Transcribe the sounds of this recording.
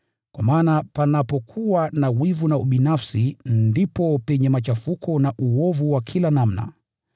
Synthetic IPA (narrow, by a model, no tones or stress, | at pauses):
kwamaːnapanapɔkʰuwanawivunauɓinafsindipɔpɛɲɛmat͡ʃafukʰɔnaʔuɔvuwakʰilanam̩na̰